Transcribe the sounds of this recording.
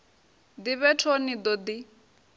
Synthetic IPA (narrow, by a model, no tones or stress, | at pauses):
d̪iβɛtʰonid̪ɔd̪i